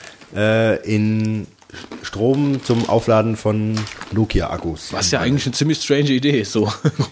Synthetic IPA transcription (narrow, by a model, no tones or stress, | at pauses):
ʔɛːʔɪn | ʃtʁ̥oːmt͡sʊmʔa̰ʊflaːdn̩fɔnloːkʰia̰ʔa̰kusvassjaːʔaɪɡŋ̩tlɪçnət͡siːmlɪçstʁ̥ɛɪnʒəideːɪstz̥oː